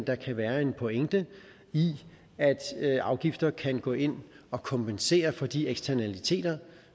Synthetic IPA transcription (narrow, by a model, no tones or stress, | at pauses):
nd̥ɑ̈kʰæʋæːɐe̝npʰɔ̽eŋ̰d̥ə | i | æd̥ɑ̈ʊɡ̥ifd̥ɐkʰænɡ̥ɔ̰ːe̝n̰ | ɒ̽kʰɒ̽mpense̝̰ːɐfɒ̽d̥ieɡ̥sd̥ʰæɐnælit͡sʰe̝̰ːd̥ɐ